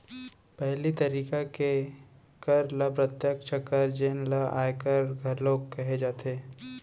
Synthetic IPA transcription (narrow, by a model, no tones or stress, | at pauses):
pɛɦlit̪ɐɾiːkake | kɐɾlɐpɾət̪jəkʃakəɾd͡ʒeːnlaʔa̰ːjekəɾɡʱɐɾloːɡkɛɦed͡ʒaːt̪eː